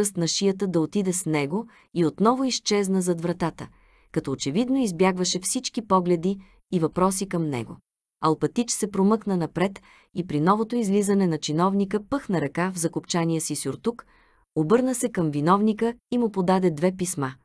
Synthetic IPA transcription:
ɤst̪nɐʃijət̪əd̪ɐot̪id̪ɛsnɛɡo | iot̪nɔvʊist͡ʃɛznəzɐd̪vɾɐt̪at̪ə | kɐt̪ɔot͡ʃɛvid̪noizbjaɡvəʃɛfsit͡ʃkipɔɡlɛd̪iː | vɐpɾɔsikɐmnɛ̰ɡo̰ | ɐlˠpɐt̪it͡ʃsɛpɾomɤknənɐpɾɛt̪ | ipɾinɔvot̪oizlizɐnɛnɐt͡ʃinɔvnikəpɤxnɐɾɐkavzɐkopt͡ʃanijəsisʲoɾt̪uk | obɤɾnəsɛkɐmvinɔvnikəimupod̪ad̪ɛd̪vɛpisma

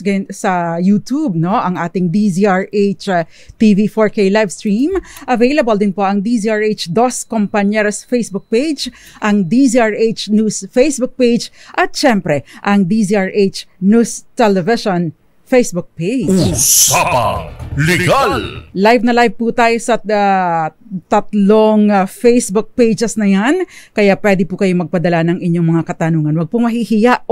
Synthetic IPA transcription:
ɡɐsɐjut̪ub̚noʔɐŋʔaːt̪ɪŋd̪iziaɹʔejt͡ʃ | t̪ivifoɹkejlajvst̪ɹimʔɐvejlɐbɐld̪ɪnpo̞ʔɐŋd̪iziaɹejt͡ʃd̪oskompɐɲɛɾɐsfejsbʊk̚pejd͡ʒ | ʔɐŋd̪isiaɹʔet͡ʃnuːsfejsbʊk̚pejd͡ʒʔɐt̪̚ʃɛmpɾɛʔɐŋd̪iziaɹʔejt͡ʃnust̪ɛlɛvɪʃon | fejsbʊk̚pejd͡ʒsapa̰lɛɡallajvnɐlajvput̪aːjosɐa | t̪ɐt̪loŋfejsbʊk̚pejd͡ʒɛsnɐjankɐjapwɛd̪ɪpʊkɐjo̞mɐɡ̚pɐd̪ɐlanɐŋɪɲːo̞ŋmɐŋakɐt̪ɐnuːŋɐnwɐɡ̚pʊmɐɦihɪjaʔ

